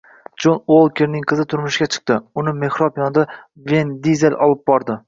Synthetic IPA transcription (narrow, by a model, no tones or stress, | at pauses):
d͡ʒonolˠkʲʰeɾnɪŋqʰɨzɪt̪ʰʊɾmʊʃɪɡʲat͡ʃʰɨ̥q̚t̪ɪʊnɪme̞hɾɒpjɒnd̪a | ve̞nd̪izelʔɒlˠɪp̚bɒɾd̪ɪ